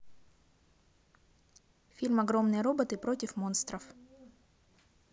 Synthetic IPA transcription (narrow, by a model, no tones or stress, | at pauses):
fʲilʲmɐɡɾo̞mnɨjəɾo̞bət̪ɨpɾo̞tʲɪfmo̞nst̪ɾəf